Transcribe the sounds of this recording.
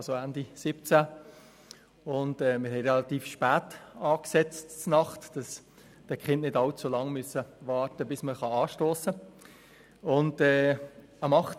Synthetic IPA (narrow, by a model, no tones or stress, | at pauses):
soændisɪpt͡sæ | ʊndɛːmɪɾhɦɛɪɾɛlɑtiːfʃpæːtɑːksɛt͡stt͡snɑχtd̥ɑs | d̥əkʰχɪntnɪdɑlt͡sulɑŋmyəsəvɑːɾtəbɪsməχɑɑːʃtoːsə | ʊndɛː | ɑmɑχ